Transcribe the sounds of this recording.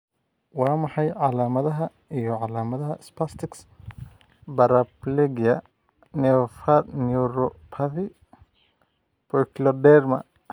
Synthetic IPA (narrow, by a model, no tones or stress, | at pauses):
wɑːmɑħɑjʕɑlaːmɐðɐɦɐ | ijɔʕɑlaːmɐðɐɦɐɪspast̪ʰɪks | bɐɾɐblɛɡjɐ | nɛɔfɐnuɾɔpʰɐði | pɔjklɔdɛrmɐ̰